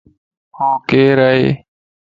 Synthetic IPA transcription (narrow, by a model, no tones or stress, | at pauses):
hõːkeːɾae